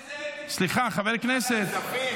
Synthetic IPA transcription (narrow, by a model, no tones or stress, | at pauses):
slˠiχaχavɛɾknɛsɛt̪